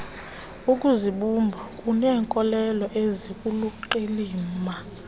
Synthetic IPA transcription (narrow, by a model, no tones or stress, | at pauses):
ukʼuziɓumbʱukʼunɛːŋkʼɔlɛlɔʔezikʼuluǃeliːma